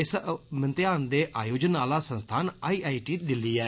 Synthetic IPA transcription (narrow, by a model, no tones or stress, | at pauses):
ɪsmənt̪ɪjaːnd̪eːʔaːjoːd͡ʒənaːlaːsə̃nst̪ʰaːnaːiːʔaːiːʈiːd̪ɪliːɛː